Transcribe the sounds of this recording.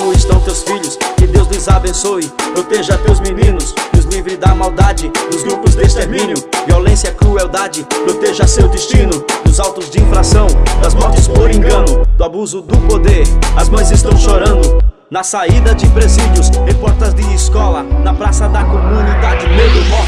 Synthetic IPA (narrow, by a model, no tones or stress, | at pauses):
ɪst̪ɐ̃w̃t̪ewsfiʎʊskɪd̪ewzlɪzabẽsojpɾot̪eʒɐt̪ewzminĩnʊsʊzlivɾɪzd̪ɐmawd̪ad͡ʒɪd̪ʊzɡɾupʊzd̪est̪eɾmĩɲʊviolẽsjɐkɾuɛwd̪ad͡ʒɪpɾot̪eʒɐsewd̪est͡ʃĩnʊd̪ʊzawt̪ʊzd͡ʒɪĩfɾasɐ̃w̃d̪ɐzmɔɾt͡ʃɪspoɾẽŋɡɐ̃nʊd̪ʊabuzʊd̪ʊpod̪eɾɐzmɐ̃j̃zɪst̪ɐ̃w̃ʃoɾɐ̃nd̪ʊ | nɐsaid̪ɐd͡ʒɪpɾezid͡ʒjʊshẽpɔɾt̪ɐzd̪ɪːskɔlɐnɐpɾasɐd̪ɐkomunid̪ad͡ʒɪped̪ʊ